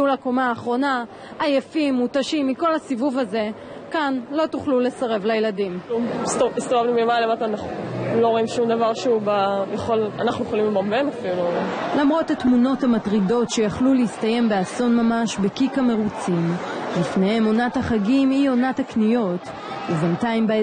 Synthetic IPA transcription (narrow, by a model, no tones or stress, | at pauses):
ulako̞maːχʁo̞naː | jefimːutaʃimːiko̞lhasivuvaze̞ | kanlo̞tuχlule̞saʁevlajeladimstist̪ovavnumemalemat̪anaχloʁoimʃumd̪avaʁʃeubajaχola̰naχnujeχolimlebamenafilululamʁo̞thatmuno̞thamatʁido̞tʃe̞jaχluleist̪aje̞mbe̞aso̞nmamaʃbe̞kikame̞ʁut͡simlifne̞he̞mo̞nathaχaɡimio̞nataknijo̞t | uventaimbe